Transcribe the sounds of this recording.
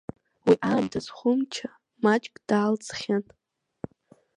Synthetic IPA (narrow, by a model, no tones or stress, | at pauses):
wiʔaːmdazχʷʊmt͡ʃʰa | mat͡ʃʼkʼd̥aːlt͡sʰʼχʲan